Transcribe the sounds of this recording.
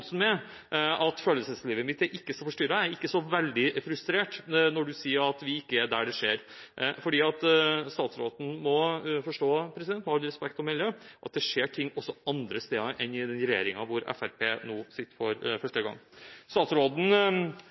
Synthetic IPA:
snmɛ | ɑt̪føːləsəsliːʋəmɪt̪æɾʔɪkːəsɔfɔʂʈʏɾɑæɾɪkːəsɔʋɛld̪ɪfɾʉst̪ɾeːʈnɔɖʉsiːəɾɑt̪ʋɪɪkːəæɖ̪æɖɛʂeːɾfɔɖiːɑt̪st̪ɑːt̪sɾoːt̪n̩mɔfɔʂʈoːpʰɾɛsɪd̪ɛnt̪mɔɑlːəɾɛspɛkt̪ɔmɪljøʔɑ̰t̪̚d̪ɛʂeːʈʰɪŋːɔsːɔɑnd̪ɾəst̪eːd̪ɑʔɛnɪd̪ɛnɾɛjḛːɾɪŋɑʋʊɾɛ̰fæɾpʰeːnuːsɪt̪ːəɾfɔɾfœʂʈəɡɑ̰ŋːst̪ɑːt̪sɾoːt̪n̩

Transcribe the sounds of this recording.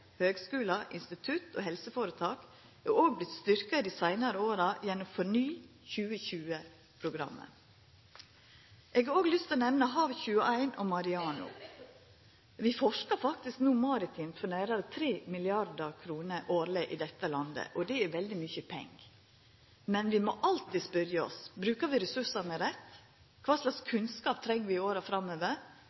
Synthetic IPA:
høːɡskʉːlɑʔɪnst̪ɪt̪ʰʉt̪o̰ːɦɛlsəfoːɾət̪ʰɑːk | ɛoːɡ̚blɪt̪st̪ʏɾkɑd̪iːsæɪnɑɾəoːɾɑjɛnʊmfɔnyːçʉːəçʉːə | pʰɾʊɡɾɑ̰mːə̰ | ʔeːɡɑɾoːɡlʏst̪ɔnɛʋnɑɦɑːʋçʉːəʔæɪnɔmɑɾɪɑːnʊ̰ | ʋɪfɔʂkəɾfɑk̚t̪ɪsknuːmɑɾɪt̪ʰiːmfɔnæːɾɑɾət̪ʰɾeːmɪlɪɑɾd̪ɑɾkʰɾuːnəʔoːɾlɪʔɪd̪ɛt̪ːəlɑnd̪ə̰ʔɔd̪ɛæʋɛld̪ɪmyçəpʰɛ̰ŋɡ | mɛnʋɪmɔʔɑlt̪iːspœɾjəɔ̰sbɾʉːkəʋɪɾɛsʉʂɑnəɾɛt̪ː | kʰʋɑːʂlɑkskʰʉnskɑːp̚t̪ʰɾɛŋːəʋɪɪoːɾəfɾɑmːøːʋəɾ

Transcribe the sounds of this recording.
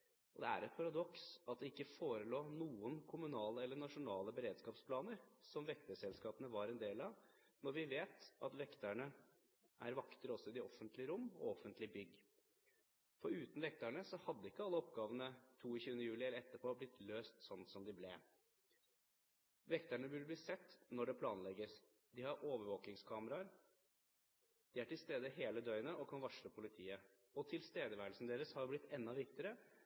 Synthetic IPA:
ɔd̪ɛ̰æ̰ɾɛt̪̚pʰɑɾɑd̪ɔksɑt̪̚d̪ɛɪkːəfoːɾəloːnuːənkʰʊmʉnɑːləɛlːəɳɑʂʊnɑːləbəɾeːd̪skɑːpspʰlɑːnəɾsɔmʋɛkt̪əsɛlskɑːpənəʋɑɾɛnd̪eːlɑʋ | nɔɾʋɪʋeːt̪ɑt̪ʋɛkt̪əɳə | ʔæ̰ɾʋɑkt̪əɾɔsːɔɪd̪ɪɔfənt̪lɪəɾʊmːɔ̰ɔfːənt̪lɪbʏɡː | fɔɾʉːt̪n̩ʋɛk̚t̪æɳəsɔhɑd̪ːəɪkːəɑlːəɔpɡɑːʋənət̪ʰuːɪçʉːənəjʉːlɪɛlːəɾɛt̪ːəpʰoːblɪt̪løːst̪sɔnːsɔmd̪ɪblɛ | ʋɛkt̪æɳəʋʉlbliːsɛt̪ːnɔɖɛpʰlɑːnlɛɡəs | d̪ɪhɑɾʔoːʋəɾʋoːknɪŋskʰɑːməɾɑɾ | d̪̥ɪæʈɪlst̪eːd̪əɦeːləd̪œʏənəʔɔkʰɑnʋɑʂɭəpʰʊlɪt̪ʰiːə | ɔt̪ʰɪlst̪eːd̪əʋæːɾəlsnəd̪eːɾəshɑɾjblɪt̪ːɛnːɑʋɪkt̪əɾə

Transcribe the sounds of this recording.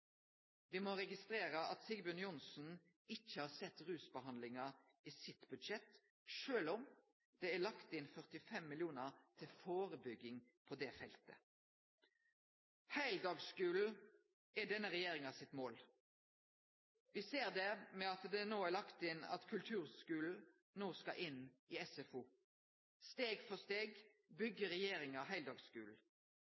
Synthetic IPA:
ʋɪmɔɾɛɡɪst̪ɾeːʁəʔɑt̪sɪɡbʉnjʊnsn̩ | ɪçːəhɑːsɛt̪ːʁʉːsbəhɑnd̪lɪŋɑ | iːsɪt̪bʉd̪ʃɛt̪ | ʃøːlɔm | d̪̥ɛælɑkt̪ɪnfœʁt̪ɪfɛmːɪljuːnəʁt̪ʰɪlfoːɾəbʏɡːɪŋpʰɔd̪ɛfɛlt̪ə̰ | hæɪld̪ɑːɡskʉːl̩ | æɖɛnːəʁɛjeːʁɪŋɑsɪt̪moːl | ʋɪseːʁd̪ɛmɛɑt̪d̪ɛnoːælɑkt̪ɪnɑ̰t̪kʰʉlt̪ʰʉːʁskʉːl̩ | noːskɑ̰ʔɪnɪɛsɛfu | st̪eːɡfɔst̪eːɡbʏɡːəʁɛjeːʁɪŋɑɦæɪld̪ɑːɡskʉːl̩

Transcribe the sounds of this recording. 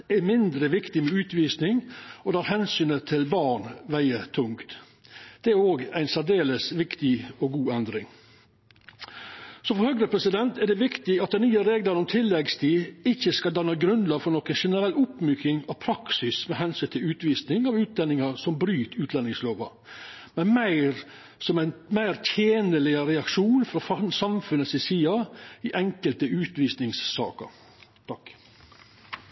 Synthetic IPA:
ɛmɪnd̪ɾəʋɪkt̪ɪmɛʉːt̪ʋiːsnɪŋɔd̪ɑːɾɦɛnsyːnət̪ʰɪlʋɑɳʋæɪət̪ʰʊŋkt̪ | d̪̥ɛæɾoːɡæɪnsæd̪eːləsʋɪkt̪ɪɔɡuːɛnd̪ɾɪŋ | sɔfɔɾhœɡɾəpʰɾɛsɪd̪ɛnt̪ʰɛɖ̪ɛʋɪkt̪ɪɑt̪̚d̪ɛnnyːəɾeːɡlɑɾnɔmt̪ʰɪlːɛɡst̪ʰiːɪçːəskɑld̪ɑnːɑɡɾʉnd̪lɑfɔɾnɔkənʂɛnəɾɛlʊpmyːkɪŋɑʋpʰɾɑksɪsmɛɦɛnsʏnt̪ʰɪlʉːt̪ʋiːsnɪŋɑʋʉːt̪d̪ɛnːɪŋɑɾsɔmbɾyːt̪ʉːt̪ʰlɛnːɪŋsloːʋɑ̰ | mɛnmæɪɾ | sɔmænmæɪɾt̪ʰjeːnəlɪəɾɛɑkʂuːnfɾɑfɑnsɑmfʉnːəsɪsiːɑɪʔɛŋkəlt̪əʉːt̪ʋiːsnɪŋsːɑ̰ːkə̰ɾ | t̪ʰɑk

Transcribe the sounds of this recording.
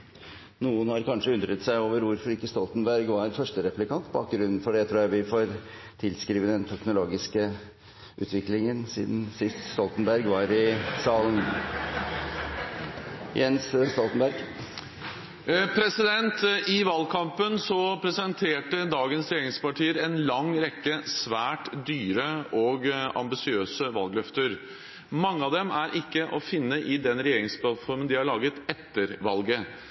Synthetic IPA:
nuːənhɑɾkɑnʂəʉnd̪ɾət̪sæɪoːʋəɾʋʊɾfɔɾɪkːəst̪ɔlt̪nbæɾɡʋɑɾfœʂʈəɾɛplɪkɑnt̪ːbɑ̰ːk̚ɡɾʉnːn̩fɔɖɛt̪ʰɾuːjæɪʋɪfoːɾ | t̪ʰɪlskɾiːʋəd̪ɛnt̪ʰɛknʊloːɡɪskə | ʔʉ̰ːt̪ʰʋɪklɪŋənsḭːd̪nsɪst̪st̪ɔlt̪ənbæɾɡʋɑɾɪsɑːlən | jʔɛnsst̪ɔlt̪ənbæɾɡ | pʰɾɛsɪd̪ɛnt̪ʔɪʋɑlkʰɑmpənsɔpʰɾɛsɛnt̪ʰeːʈəd̪ɑːɡənsɾɛjeːɾɪŋspɑʈʰiːəɾɛnlɑŋɾɛkːəsʋæːʈd̪yːɾəɔɡɑ̰mbɪsɪøːsəʋɑlɡlœft̪əɾ | mɑŋːəɑʋd̪ɛmæɾʔɪkːəʔɔfɪnːəʔɪd̪ɛnɾɛjeːɾɪŋspʰlɑt̪fɔɾmənd̪ɪɑɭɑːɡət̪ɛt̪ːəɾʋɑlɡə

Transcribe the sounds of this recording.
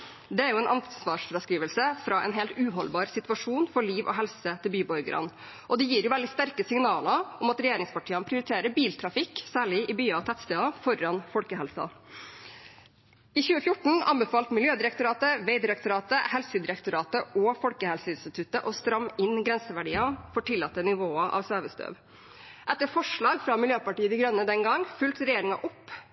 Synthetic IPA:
d̪ɛæɾjʊɛːnʔɑnsʋɑːʂfɾɑskɾiːʋəlsəfɾɑʔɛ̰nɦɛlt̪ʉːɦɔlbɑːɾsɪt̪ʉʋɑʂuːnfɔɭiːʋʔɔ̰ɦɛlsət̪ʰɪlbyːbɔɾɡəɾʔɑ̰n | ʔɔd̪ɪjiːɾjʊʋɛld̪ɪst̪æɾkəsɪŋnɑːlɑʔɔmɑt̪ɾɛjeːɾɪŋspʰɑʈʰiːɑnəpʰɾɪʊɾɪt̪ʰeːɾəbiːlt̪ʰɾɑfɪksæːɭɪʔɪbyːɑɑt̪ʰɛt̪sd̪eːɑːfɔɾɑnfɔlkəhɛlsɑ̰ | ɪçʉːəfjʊʈɳ̩ɑ̰nbɛfɑːlt̪mɪljøːd̪ɪɾɛkt̪ʊɾɑːt̪əʋɛɪd̪ɪɾɛk̚t̪ʊɾɑːt̪əhɛlsəd̪ɪɾɛkt̪ʊɾɑːt̪əɔfɔlkəhɛlsəɪnst̪ɪt̪ʰʉt̪əʔɔst̪ɾɑmɪnɡɾɛnsəʋæɖiːɑfɔʈʰɪlːɑt̪ːənɪʋoːɑʔɑ̰ːʋsøːʋəst̪ø̰ːʋ | ʔɛt̪ːəɾfɔʂɭɑːɡfɾɑmɪljøːpɑʈiːəd̪ɪɡɾœnːəd̪ɛŋɡɑŋfʉlt̪ɾɛjeːɾɪŋɑʔɔpː

